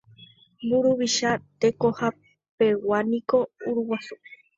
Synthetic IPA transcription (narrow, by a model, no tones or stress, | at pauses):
buɾuʋiʃat̪e̞ko̞ha | pe̞wanĩko̞uɾuwasu